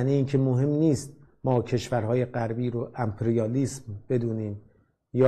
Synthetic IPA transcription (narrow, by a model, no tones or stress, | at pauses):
niiːnkʰe̞moɦe̞mniːst̪̚mɒːcʰe̞ʃvæɾɦɒːje̞ɢæɾbiːɾoʔæmpʰeɾijɒːliːsmb̥e̞d̪uːniːm | jɒː